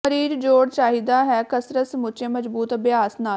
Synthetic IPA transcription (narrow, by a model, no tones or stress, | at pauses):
əɾiːɾd͡ʒoːɽʃaːɦid̪aːɦɛːkəsɾəsmʊt͡ʃẽːməzbuːt̪əbjaːsnaː